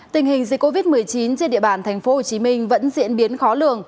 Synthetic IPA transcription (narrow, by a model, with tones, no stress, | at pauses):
t̪ï˨˩ŋ̟hï˨˩ŋ̟zi˨˩k̚ːo˧vi˦˥t̚mɨ˨˩əjt͡ɕi˨˦nt͡ɕi˧nɗḭ˧˨əɓaː˧˨˩nt̪ʰɛ˨˩jŋ̟fo˨˦ho˨˩t͡ɕi˨˦mï˧ŋ̟və̰˧˥nzḭ˧˥ənɓi˨˦ənxɔ˨˦lɨ̰˧˩əŋ